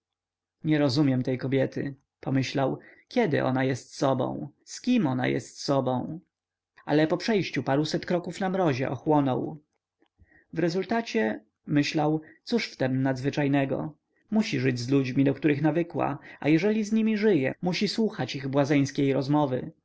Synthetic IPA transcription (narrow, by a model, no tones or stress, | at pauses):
ɲɛɾɔzumʲjɛmt̪ɛjkɔbʲjɛt̪ɘ̰ | pɔmɘɕlawkʲɛd̪ɘ̰ʔɔ̰najɛst̪sɔbɔ̰̃w̃skʲimɔna̰jɛ̰st̪sɔbɔ̃w̃ | alɛpɔpʂɛjɕt͡ɕupaɾusɛt̪kɾɔkufnamɾɔʑɛ̰ʔɔxwɔnɔ̰w | vɾɛzult̪at͡ɕɛ | mɘɕlawt̪suʂft̪ɛmnad̪zvɘt͡ʂajnɛɡɔ̰ | muɕiʐɘd͡ʑzlud͡ʑmʲid̪ɔkt̪uɾɘxnavɘkwa̰a̰jɛʐɛlʲizɲimʲiʐɘjɛ̰muɕiswuxat͡ɕiɣbwazɛj̃skʲejɾɔzmɔvɘ̰